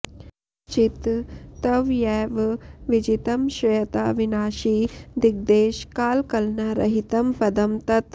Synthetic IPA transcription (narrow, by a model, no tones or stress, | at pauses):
t͡ʃit̪t̪ɐʋjɛːʋʋid͡ʒit̪ɐmʃɐjɐt̪aːʋinaːʃiːd̪iɡ̚d̪eːʃkaːlkɐlnɐɾɐ̰ɦit̪ɐmpɐd̪ɐmt̪ɐt̪